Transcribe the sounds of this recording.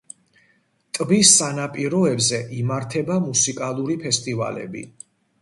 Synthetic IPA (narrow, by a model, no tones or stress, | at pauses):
t̪ʼbisːanapʼiɾɔɛbzɛʔimaɾt̪ʰɛbamusikʼalˠuɾipʰɛst̪ʼiva̰lɛ̰bḭ